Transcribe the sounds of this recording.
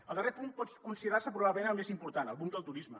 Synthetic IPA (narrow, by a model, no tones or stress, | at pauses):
əlˠd̪ərepunpɔt͡skunsiðəɾaɾsəpɾuβaβləmẽnəlˠmezimpuɾt̪anəlˠβund̪əlˠt̪uɾizmə